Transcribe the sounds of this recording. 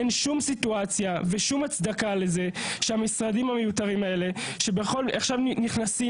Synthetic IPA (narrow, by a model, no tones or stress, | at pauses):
enʃumsituat͡sjave̞ʃumat͡sd̪akale̞ze̞ʃeamisʁadimhamejut̪aʁimae̞le̞ʃe̞beχo̞laχʃavniχnasi